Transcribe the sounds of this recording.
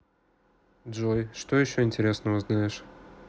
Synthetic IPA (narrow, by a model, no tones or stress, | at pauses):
dʐojʂt̪ojɪɕːoɪnʲtʲɪɾʲesnəvəznajɪʂ